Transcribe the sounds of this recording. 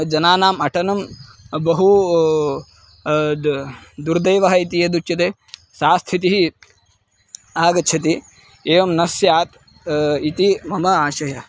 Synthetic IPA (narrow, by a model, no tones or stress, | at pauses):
d͡ʒɐnaːnaːmɐʈʰɐnɐm | bɐɦu | d̪uɾd̪ɐjʋɐɦɐit̪ijɐd̪ut͡ʃɐt̪eː | saːst̪ʰit̪iɦi | aːɡɐt͡ʃʰɐt̪i | eːʋɐmnɐsjaːt̪ | it̪imɐmɐaːʃɐjɐ